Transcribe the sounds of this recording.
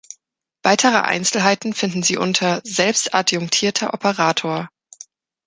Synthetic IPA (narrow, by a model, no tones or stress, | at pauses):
v̥aɪtʰəʁə̰ʔa̰ɪnt͡sl̩ɦaɪtn̩fɪndn̩ziːʔʊntʰɐzɛlpstʔa̰djʊŋtʰiːɐtʰɐʔɔpʰəʁaːtʰoːɐ